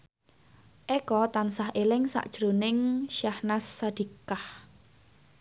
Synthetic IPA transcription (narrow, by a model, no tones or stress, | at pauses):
ʔɛkɔt̪ansahʔelɪŋsa̰ʔd̥ʒ̥ɾonɪŋʃahnasːad̪̥i̤kah